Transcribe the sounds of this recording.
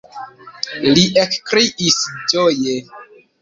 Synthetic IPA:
liʔekkɾiʔisd͡ʒoje

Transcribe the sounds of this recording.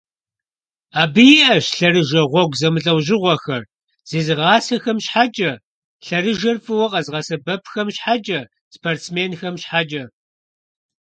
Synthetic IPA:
aːbɨjɪʔɐʃɬɐrɨʒɐʁʷɔɡʷzɐmɨɬʼɐwʑɪʁʷɔxɐr | z̥iːzɨʁɑːsɐxɐmɕħat͡ʃʼɐ | ɬɐrɨʒɐrfʼɨwɐqʼɐzʁɐsɐbɐpʰxɐmɕħad͡ʒʼɐ | spʰoːrtt͡smeːnxɐmɕħad͡ʒɐ

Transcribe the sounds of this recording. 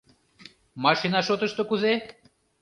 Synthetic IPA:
mɑʃinɑʃot̪əʃt̪okuze

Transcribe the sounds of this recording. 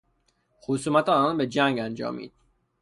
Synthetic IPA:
xosuːmæt̪ʰɒɒnbe̞d͡ʒæŋɡænd͡ʒɒ̰ːmḭːd̪̥

